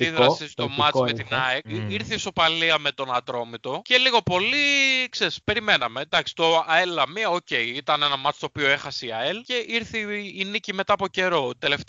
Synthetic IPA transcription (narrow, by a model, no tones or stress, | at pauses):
iðɾɐssist̪o̞mɐmet̪inɐeiɾθiːso̞pɐliɐmet̪o̞nɐt̪ɾo̞mit̪o̞ce̞liɣo̞po̞likseɾispe̞ɾime̞nɐmend̪ɐksi̥t̪o̞ɐelɐmiɐoce̞iit̪ɐnenɐmɐt͡st̪oopio̞e̞xɐseiɐelce̞ʔiɾθiːnicime̞t̪ɐːpo̞ce̞ɾo̞t̪elef